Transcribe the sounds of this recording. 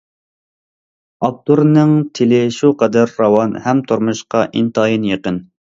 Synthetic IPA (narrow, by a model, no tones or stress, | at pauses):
ɑp̚t̪uɾnɨŋt̪ʰɪlɪʃuqɑd̪æɾːɑwɑnhɛmt̪ʰoɾmuʃqɑʔint̪ɑːjinjeqən